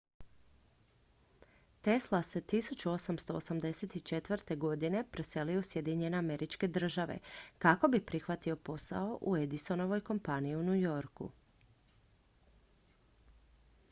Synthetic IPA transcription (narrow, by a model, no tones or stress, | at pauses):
t̪e̞slˠase̞t̪isut͡ʃuo̞samst̪o̞o̰samd̪e̞se̞t̪it͡ʃe̞t̪ʋrt̪e̞ɡo̞d̪ine̞pɾese̞lijusje̞d̪iɲe̞neame̞ɾʔit͡ʃke̞d̪r̩ʒaʋḛkako̞bipɾixʋat̪io̞po̞sa̰o̞ʔue̞d̪iso̞no̞ʋo̞jko̞mpaniiunujo̞ɾkṵ